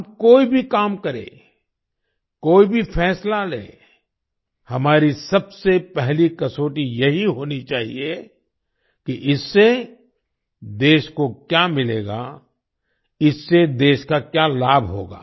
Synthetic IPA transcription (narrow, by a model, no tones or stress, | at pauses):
bkoːibʱikaːmkɐɾḛ̃ː | koːibʱifʰɛːslalḛ̃ː | hɐmaːɾisɐbsepɛɦlikɐsoːʈijɐɦiɦoːnit͡ʃaːɦie | kiʔɪsːe | d̪eːʃkokjaːmɪleːɡa̰ | ɪsːed̪eːʃkakjaːlaːbʱɦo̰ːɡa̰ː